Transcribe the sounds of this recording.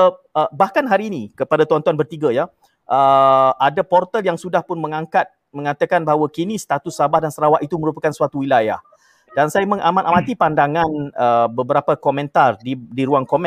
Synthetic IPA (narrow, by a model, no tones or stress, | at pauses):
əəbahkanɦaɾiːnikəpadat̪uant̪uanbərt̪iɡaja | ʔəʔadapɔrt̪əljaŋsudahpʊnmə̃ŋaŋkat̪̚ | mə̃ŋat̪akanbaɦawakinĩst̪at̪usːabahdansəɾawaʔ̪it̪uməɾupakansuat̪uwilajah | dansajamə̃ŋamanʔamãt̪ipandaŋanəbəbəɾapakomɛ̃nt̪ardidiɾuaŋkomɛ̃